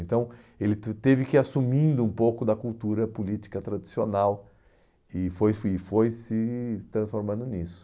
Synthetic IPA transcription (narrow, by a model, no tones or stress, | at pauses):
ẽnt̪ɐ̃w̃ | elɪt̪evɪkɪasumĩnd̪ʊũpowkʊd̪ɐkult̪uɾɐpulit͡ʃ̪i̥kɐt̪ɾad̪isionaw | ɪfojɪfojsɪt̪ɾɐ̃sfoɾmɐ̃nd̪ʊnisʊ̥